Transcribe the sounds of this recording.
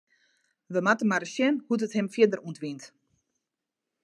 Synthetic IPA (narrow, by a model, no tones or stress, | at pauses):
ʋəmatəmaɾəsjɛnhut̬əthɛmfjədəruntʋint